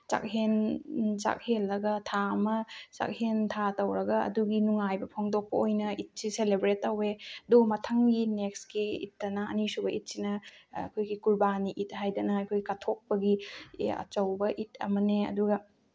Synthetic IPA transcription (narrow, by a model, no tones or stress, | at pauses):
t͡ʃa̰k̚hent͡ʃa̰k̚helːɐɡɐtʰamɐt͡ʃa̰k̚hentʰatɐwɾɐɡɐɐ̰duɡinuŋajbɐpʰoŋdok̚pɐojnɐit̚siselebɾetːɐweɐdomɐtʰɐŋɡinekskiḭtːɐnɐɐ̰nisubɐʔit̚sinɐa̰kʰojɡikuɾbaniʔit̚ɦajdɐnɐɐjkʰojɡikatʰok̚pɐɡiɐ̰t͡ʃɐwbɐʔitɐ̰mɐneɐ̰duɡɐ